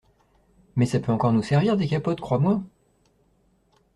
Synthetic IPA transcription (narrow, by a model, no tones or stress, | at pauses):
mɛsapøɑ̃kɔʁnusɛʁviʁd̪ekapɔt̪kχwamwa